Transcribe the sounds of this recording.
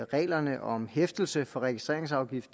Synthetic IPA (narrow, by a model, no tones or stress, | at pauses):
ʁɛ̰ːlɐnəʔɒ̽mhefd̥l̩səfɒ̽ʁɛɡ̥isd̥ʁḛɐeŋs̬ɑ̈ʊɡ̥if